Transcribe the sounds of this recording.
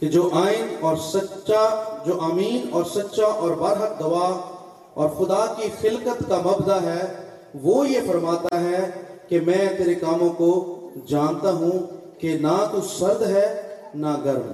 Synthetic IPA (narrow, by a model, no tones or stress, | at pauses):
ked͡ʒoːʔaːɪnɔːɾsɐtʃad͡ʒoːʔaːmiːnɔːɾsɐtːʃaʔɔːɾbɐɾɦək̚d̪ɐʋaːɦ | ɔ̰ːɾxʊd̪akixɪlkət̪kamɐbd̪aɦɛː | ʋoːjefɐɾmaːt̪aɦɛkemɛ̃ːt̪eːɾekaːmõkod͡ʒaːnt̪aɦũ | kenat̪osɐɾd̪ɦɛːnaɡɐɾm